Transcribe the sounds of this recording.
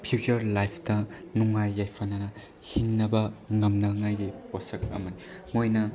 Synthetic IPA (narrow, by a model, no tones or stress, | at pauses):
pʰijut͡ʃɐɾlajpʰtɐnuŋajːajpʰɐnɐnɐ | hinːɐbɐŋɐmnɐŋajɡiposɐk̚ɐ̰mɐni | mojnɐ